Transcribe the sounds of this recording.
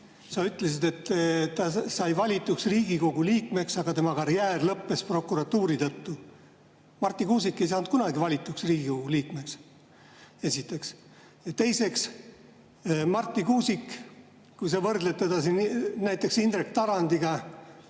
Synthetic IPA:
sɑyt̪ːˑle̞s̬id̪e̞t̪ːt̪ːɑsɑjvɑlʲit̪ːˑuksriːɡ̥iko̞ɡ̥uliːkme̞ksɑɡ̥ɑt̪emɑkɑɾjæːrlɤpːe̞spro̞kːˑuɾɑt̪ːuːɾit̪ɤt̪ːu | mɑrt̪ːˑikuːsikːˑe̞js̬ɑːnut̪̚kunɑɡivɑlʲit̪ːˑuksriːɡ̥iko̞ɡ̥uliːkme̞ks | e̞sit̪ːˑe̞ks | jɑt̪e̞jse̞ks | mɑrt̪ːˑikuːsik | kujs̬ɑvɤrd̪̥leb̚t̪e̞d̪ɑsinnæjt̪ːˑe̞ksind̪rek̚t̪ɑɾɑnd̪̥iɡ̥ɑ

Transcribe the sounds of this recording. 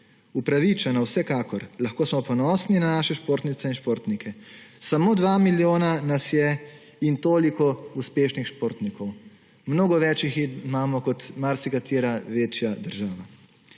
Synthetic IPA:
upɾaʋit͡ʃɛnawsɛkaːkɔɾlaxkoːsmɔpɔnɔːsninanaːʃɛʃpoːɾt̪nit̪sɛinʃpoːɾt̪nikʰɛ | samoːd̪ʋaːmiljoːnanasjɛ | int̪oːlikɔuspeːʃnixʃpoːɾt̪nikʰɔw | mnoːɡɔʋɛːt͡ʃjiximaːmɔkɔt̪maɾsikat̪iːɾaʋeːt͡ʃjad̪əɾʒaːʋa

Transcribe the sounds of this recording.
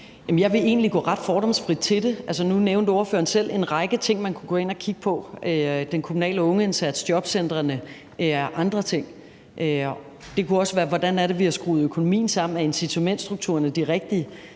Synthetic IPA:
jɛmnjɑɪʋe̝e̝̰ːnliɡ̥ɔ̰ːʁɑ̈d̥fɒːɾɒ̽m̰sfʁid̥̚t͡sʰe̝ld̥e̝ælsənuneʊnd̥o̝ːɐfø̰ːɐnsel̰e̝nʁɑ̈ɪɡ̥ət͡sʰe̝ŋ̰mænkʰuɡ̥ɔ̽ːe̝n̰ɐkʰiɡ̥əpʰɒ̽ød̥enkʰomunɛ̰ːləɔ̽ŋəe̝nsæd̥sd̥jɒ̽b̥send̥ʁɐnə | ʔeɐʔɑ̈nd̥ʁɐt͡sʰe̝ŋ̰ | ø | d̥e̝kʰuɒ̽səʋæːɐʋɒd̥ænæɐɾe̝ʋihæsɡ̥ʁṵːð̞̩ˠøkʰo̝no̝mḭːn̩sɑ̈m̰n̩æe̝nsit͡sʰo̝men̰d̥sd̥ʁuɡ̥̚t͡sʰṵɐnəd̥iʁɛɡ̥̚d̥iə

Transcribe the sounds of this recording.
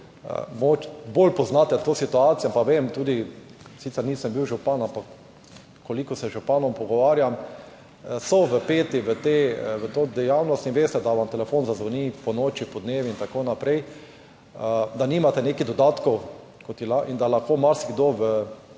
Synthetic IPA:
ə̰mɡoːt͡ʃbolpɔznat̪ɛt̪oːsit̪uaːt̪sijampaʋemt̪uːd̪isit̪ɛɾniːsəmbiwʒupanampak | kolikɔsɛʒupanɔmpɔɡɔʋaːɾjam | sɔʋəpeːt̪iʋət̪eʋət̪od̪ɛjawnɔst̪inʋeːst̪ɛd̪aʋamt̪ɛlɛfonzazʋonipɔnoːt͡ʃipɔd̪neːʋiint̪akonapɾɛj | əd̪animat̪ɛnekid̪ɔd̪aːt̪kɔw | kot̪jɛlaʔind̪alaxkoːmaɾsiɡd̪oʋə

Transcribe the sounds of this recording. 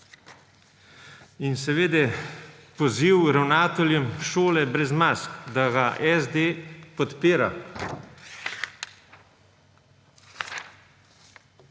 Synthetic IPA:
insɛʋeːd̪ɛ | pɔziwɾawnaːt̪ɔljɛmʃoːlɛbɾɛzmaːskd̪aɡaʔɛzd̪epɔt̪peːɾa̰

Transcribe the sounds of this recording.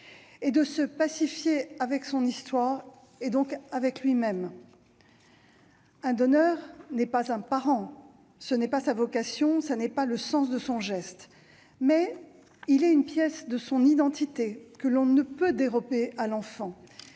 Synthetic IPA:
ed̪əsəpasifjeavɛksɔ̃nist̪waːʁ | ed̪ɔ̃kavɛklɥimɛm | ɛ̃d̪ɔnœʁnɛpazɛ̃paʁɑ̃ | sənɛpasavɔkasjɔ̃sanɛpaləsɑ̃s̬d̪əsɔ̃ʒɛst̪ | mɛ | ilɛynpjɛsd̪əsɔ̃nid̪ɑ̃t̪it̪ekəlɔ̃nəpød̪eʁɔbealɑ̃fɑ̃

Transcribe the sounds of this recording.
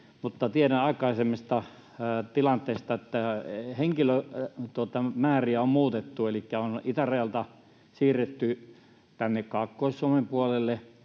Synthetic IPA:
mut̪ːɑt̪ieɾæɑˑikˑɑˑisemːest̪ɑ | t̪ilɑnt̪ˑeːst̪ɑet̪ːæheŋkiløt̪uot̪ɑmæːriæommuːt̪et̪ːuelikːæonit̪æreɑlt̪ɑ | siːret̪ːy | t̪ænːekkɑkːoˑissuomempuɑlelːe

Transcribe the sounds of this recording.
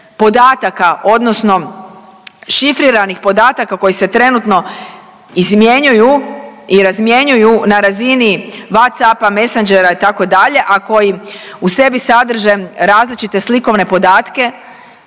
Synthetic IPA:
po̞d̪aːt̪akaʔo̞d̪no̞sno̞ | ʃifɾiɾanixpo̞d̪aːt̪akako̞jise̞t̪ɾe̞nut̪no̞ | izmje̞ɲujuiɾazmje̞ɲujunaɾaziniʋat̪sapame̞sand͡ʒe̞ɾait̪ako̞d̪aʎe̞ʔako̞jiuse̞bisad̪r̩ʒe̞ɾaːzlit͡ʃit̪e̞sliko̞ʋne̞po̞d̪aːt̪ke̞

